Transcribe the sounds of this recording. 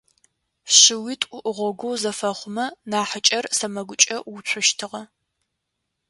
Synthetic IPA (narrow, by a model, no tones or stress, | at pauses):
ɕɪwiːtʼʊʔʁʷɔɡʷowzɐfɐχʷʊmɐnaːħət͡ʃʼɐrsɐmɐɡʷʊt͡ʃʼɐuɕʷʰʊʃtʰɨʁɐ